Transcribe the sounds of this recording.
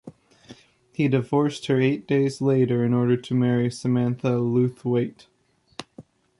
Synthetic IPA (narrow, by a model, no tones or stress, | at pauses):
hidɨvɔɹst̚hə˞eɪt̚d̥eɪzleɪɾə˞ɨ̃nɔɹɾə˞ɾɨmɛɹisɨmæ̃nθəlʉθweɪt